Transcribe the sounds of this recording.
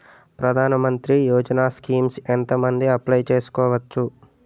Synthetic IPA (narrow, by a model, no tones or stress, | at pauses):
pɾɐd̪ʱaːnɐmɐnt̪ɾijoːd͡ʒɐnaːskiːmsent̪ɐmɐnd̪iɐplɐjt͡ʃe̞ːsu̥kɔːʋɐt͡ʃːu